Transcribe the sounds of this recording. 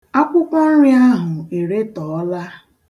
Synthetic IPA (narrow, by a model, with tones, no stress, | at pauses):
a˦kʷʊ˦kʷɔ˦n̩˦ɾi˦a˦ɦʊ˨e˨ɾe˦tɔː˨ɔ˦la˦